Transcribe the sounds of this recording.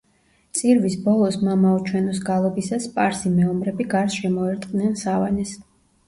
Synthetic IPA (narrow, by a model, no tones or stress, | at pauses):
t̪sʼiɾvisbɔlˠɔsmamaɔt͡ʃʰwɛnɔsɡalˠɔbisaspʼaɾsimɛɔmɾɛbiɡaɾsʃɛmɔɛɾt̪ʼqʼnɛnsavanɛs